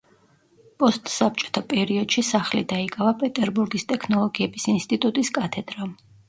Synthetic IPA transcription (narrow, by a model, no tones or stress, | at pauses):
pʼɔst̪ʼsap̚t͡ʃʼɔ̥t̪ʰapʼɛɾiɔd̪̥ʃisaχlid̪aikʼavapʼɛt̪ʼɛɾbuɾɡist̪ʼɛkʰnɔlˠɔɡiɛbisinst̪ʼit̪ʼut̪ʼiskʼat̪ʰɛd̪̥ɾam